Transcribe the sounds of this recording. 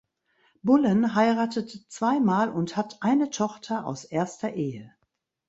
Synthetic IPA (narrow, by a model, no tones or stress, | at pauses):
bʊlənɦaɪʁaːtətt͡sv̥aɪmaːlʊnthatʔaɪnətʰɔχtʰɐʔa̰ʊsʔeːɐstɐʔeːə